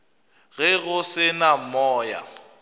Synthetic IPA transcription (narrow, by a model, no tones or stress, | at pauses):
ɣɛɣʊsɪnamɔːja̰